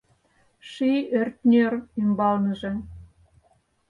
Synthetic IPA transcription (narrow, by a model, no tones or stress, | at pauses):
ʃiørt̪nʲørymbɑlnə̆ʒĕ